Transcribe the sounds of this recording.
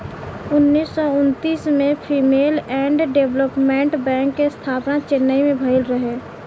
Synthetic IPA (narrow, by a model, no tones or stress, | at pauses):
ʊnːiːsːɔʊnt̪iːsmẽpʰiːmeːlɛ̃ːɳɖɖeʋləpmẽɳʈbɛ̃ːŋkːest̪ʰaːpnat͡ʃɪnːəimẽbʱəɪlɾəɦe